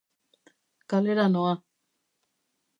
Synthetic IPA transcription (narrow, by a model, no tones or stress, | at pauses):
kaleɾanoa